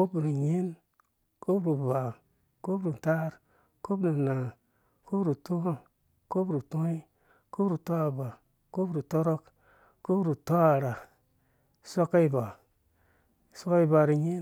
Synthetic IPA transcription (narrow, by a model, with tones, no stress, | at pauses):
ko˦bɾi˨ɲe˦n | ko˦pɾi˨ba˨ | ko˦pɾi˨ta˦ɾ | ko˦bɾi˨na˨ | ko˦pɾu˨tu˦ho˦ | ko˦bɾu˨to˦i˦ | ko˦pɾu˨to˦a˨ba˨ | ko˦˨ɾu˨to˦ɾo˦k | ko˦pɾu˨to˦a˨ɾa˨ | so˦ka˦i˦˨ba˨ | so˦ka˦i˦ba˨ɾi˨ɲi˦